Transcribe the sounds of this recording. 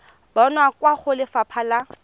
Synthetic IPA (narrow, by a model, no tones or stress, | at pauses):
bɔnwakwaχʊlɪfapʰala